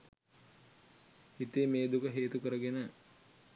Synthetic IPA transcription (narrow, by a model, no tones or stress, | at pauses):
hit̪emeːd̪ukəɦeːt̪ukəɾəɡenə